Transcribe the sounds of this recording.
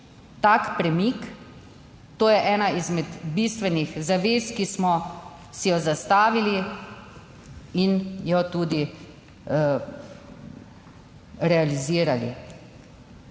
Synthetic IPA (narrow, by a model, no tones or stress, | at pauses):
t̪akpɾɛmik | t̪oːjɛʔɛːnaizmɛd̪bist̪ʋɛnixzaʋeːskismɔ | sijɔzast̪aːʋili | injɔt̪uːd̪i | ɾɛaliziːɾalḭ